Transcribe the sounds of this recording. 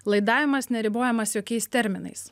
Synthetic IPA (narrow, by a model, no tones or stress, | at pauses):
lˠɐɪd̪ɑːʋʲɪmɐsnʲɛɾʲɪboːjɛmɐsjoːkʲɛɪst̪ʲɛɾʲmʲɪnɐ̰ɪs